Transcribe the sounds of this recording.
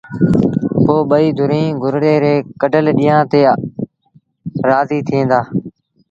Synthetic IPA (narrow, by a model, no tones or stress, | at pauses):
poːɓəiːd̪ʱʊɾĩːɡʱʊɾɽeːɾeːkəɖəlɗiːjãːt̪eː | ɾaːziːt̪ʰẽːnd̪aː